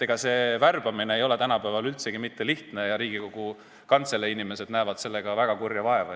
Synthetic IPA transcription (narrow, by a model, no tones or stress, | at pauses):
eɡ̥ɑse̞værb̥ɑmineːjo̞le̞t̪ænɑpævɑlylt̪se̞ɡ̥imit̪ːe̞liht̪ne̞jɑɾiːɡ̥iko̞ɡ̥u | kɑnt̪se̞lːeinimese̞d̪̥næːvɑd̪̥se̞lːe̞ɡ̥ɑvæɡ̥ɑkurjɑvɑe̞vɑ